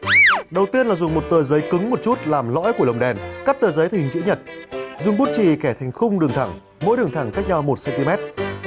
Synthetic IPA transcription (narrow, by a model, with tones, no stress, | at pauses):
ɗə˨˩wt̪i˧ənlaː˨˩zʊ˨˩ŋ͡mmo˨˩t̚t̪əː˨˧˩zəː˨˦jkɨ˨˦ŋmo˨˩t̚t͡ɕu˦˥t̚laː˨˩mlɔ̰˧˥jku˧˩ələ˨˩wŋ͡mɗɛ˨˩nka˦˥p̚t̪əː˨˩zəː˨˦jt̪ʰŋt͡ɕḭ˧˥ɲə˨˩t̚zʊ˨˩ŋ͡mɓu˦˥t̚t͡ɕi˨˩kɛ˧˩t̪ʰa˨˩jŋ̟xʊ˧ŋ͡mɗɨ˨˩əŋt̪ʰa˧˩ŋ | mo̰˧˥jɗɨ˨˩əŋt̪ʰa˧˩ŋka˦˥jk̚ɲɔ˧wmo˨˩t̚sɛ˧nt̪i˧mɛ˦˥t̚